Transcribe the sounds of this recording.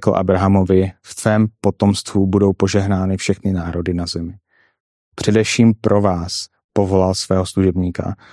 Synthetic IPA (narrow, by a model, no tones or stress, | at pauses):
kl̩ʔa̰bɾaɦamovɪft̪vɛːmpo̞t̪o̞mst̪vubudo̞wpo̞ʒɛɦnaːnɪfʃɛxnɪnaːɾo̞dɪnazɛmɪ | pr̥ɛdɛfʃiːmpɾʔo̞vaːs | po̞vo̞lalsvɛːɦosluʒɛbɲiːka̰